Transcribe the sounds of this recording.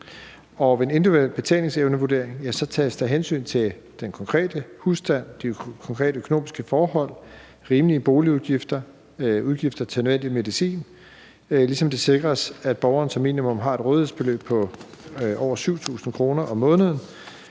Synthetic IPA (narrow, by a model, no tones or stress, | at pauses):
ɒ̽ʋe̝ene̝nd̥uælb̥e̝t͡sʰɛ̰ːle̝ŋseʊnəʋuɐd̥e̝ɐ̰e̝ŋjæsɒ̽t͡sʰɛsd̥ɑɦensy̰ːnt͡sʰe̝ | d̥enkʰɒ̽ŋkʰʁɛ̰ːd̥əhusd̥æn̰d̥ikʰɒ̽ŋkʰʁɛ̰ːdəøkʰo̝no̝ːmisɡ̥əfɒːhɒ̽l̰ | ʁiːmliəb̥o̝ːliuðˠɡ̥ifd̥ɐ | uð̞ˠɡ̥ifd̥ɐt͡sʰe̝nøʋen̰d̥ime̝ðˠisḭːn | lisɒ̽md̥e̝se̝ɡ̥ʁɐsæd̥̚b̥ɒʊɐːnsɒ̽mːḭːnimɔ̽mɦɑ̈e̝d̥ʁɔːðˠhḛsb̥e̝lø̰ːb̥̚pʰɒ̽ | ʔɒʊ̰ɐsyʊt͡sʰṵːsn̩kʰʁo̝ːnɐʔɒ̽mːɔ̽ːnəð̞ˠn̩